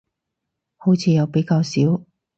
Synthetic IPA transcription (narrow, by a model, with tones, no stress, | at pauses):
ho˨˥wt͡sʰiː˧jɐ˨˧wpe˨˥jkaː˧wsiː˨˥w